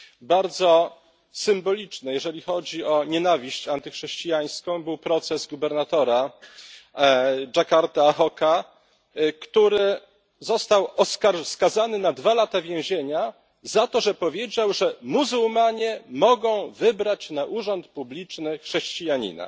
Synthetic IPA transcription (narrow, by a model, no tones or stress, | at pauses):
baɾd̪zɔ | sɘmbɔlʲit͡ʂnɛjɛʐɛlʲixɔd͡ʑiɔɲɛnavʲiɕt͡ɕant̪ɘxʂɛɕt͡ɕijaj̃skɔ̃w̃bɘwpɾɔt̪sɛzɡubɛɾnat̪ɔɾa | d͡ʐakaɾt̪axɔka | kt̪uɾɘ | zɔst̪awɔskaɾskazanɘnad̪valat̪avʲjɛ̃w̃ʑeɲa | zat̪ɔʐɛpɔvʲjed͡ʑawʐɛmuzuwmaɲɛmɔɡɔ̃w̃vɘbɾat͡ɕnaʔuʐɔnt̪publʲit͡ʂnɘxʂɛɕt͡ɕijaɲḭna̰